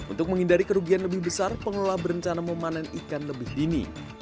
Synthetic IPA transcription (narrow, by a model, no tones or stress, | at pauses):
ʔṵnt̪ʊk̚məŋindaɾikəɾuɡianləbɪhbəsarpəŋəlolabəɾəɲt͡ʃanaməmananikanləbɪhdinḭ